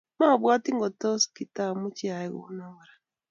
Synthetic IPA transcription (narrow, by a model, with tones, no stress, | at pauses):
ma˦ɔ˨bwa˦ti˦ŋɡo˨to˦ski˨ta˦˨mu˦t͡ʃi˦a˨ɛ˦ɡo̰˨˦nɔ˦ŋ˨ɾa˨